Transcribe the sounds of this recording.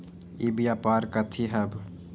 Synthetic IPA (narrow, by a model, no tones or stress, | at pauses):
ibjapaɾkət̪ʰiɦəb